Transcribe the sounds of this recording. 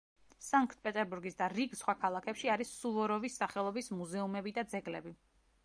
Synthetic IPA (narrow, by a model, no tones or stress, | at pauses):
saŋkʰt̪̚ʰpʼɛt̪ʼɛɾbuɾɡisd̪aɾiɡsχwakʰalˠakʰɛpʃiaɾisːuvɔɾɔvisːaχɛlˠɔbismuzɛumɛbid̪ad̪zɛɡlɛ̰bi